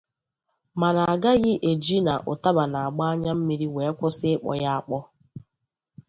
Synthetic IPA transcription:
ma˨na˨a˨ɡa˦ɣɪ˦ʔe˨d͡ʒi˦na̰˨ʔʊ˨ta˦ba˨na˨a˨ɡ͡ba˦a˦ɲa˦m̩˦mi˦ɾi˦we˨e˦kʷʊ˦sɪ˦ɪ˦k͡pɔ̰˨ja˦a˦k͡pɔ˦

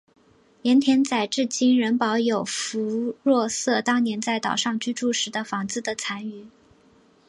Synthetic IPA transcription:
njɛ˧˥nt̪ʰjɛ˥nt͡sa˨˩ɪʈ͡ʂɻ̩˥˩t͡ɕi˥nɻə˧˥npɑ˧˥ʊjo˨˩ʊfu˧˥ɻwɔ˥˧sɤ˥˩t̪ɑ˥ŋnjɛ˧˥nt͡sa˥˩ɪt̪ɑ̰˨˩ʊʂɑ˥˧ŋt͡ɕy˥˧ʈ͡ʂu˥˩ʂɻ̩˧˥d̪ə˧fɑ˧˥ŋt͡sɹ̩˥˩d̪ə˨t͡sʰa˧˥ny˨˩˦

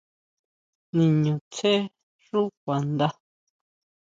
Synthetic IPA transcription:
nĩ˧ɲũ˨t͡se˦ | ʐu˦k̚ʷa˨nd̪a˦

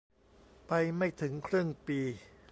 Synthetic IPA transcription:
pa˧jma˥˩jt̪ʰɯ˩˦ŋkʰɾɯ˥˩əŋpiː˧

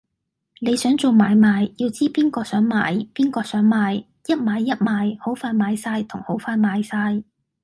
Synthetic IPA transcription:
ne˨˧jsœː˨˥ŋt͡so˨wmaː˨˧jmaː˨˧jjiː˧wt͡siː˥piː˥nkɔː˧sœː˨˥ŋma̰ː˨˥jpiː˥nkɔː˧sœː˨˥ŋmaː˨˧j | jɐ˥t̚maː˨˧jːɐ˥t̚maː˨˧jho˨˥wfaː˧jmaː˨˧jsaː˧jt̪ʰʊ˨˩ŋho˨˥wfaː˧jmaː˨˧jsaː˧j

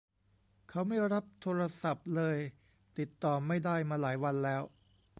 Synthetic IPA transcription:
kʰa˦˥wma˥˩jɾa˦˥p̚t̪ʰoː˧ɾa˧sa˨˩p̚lɤː˧j | t̪i˨˩t̪ːɔː˨˩mːa˥˩jdaː˥˩jmaː˧laː˩˦jwa˧nlɛː˦˥w

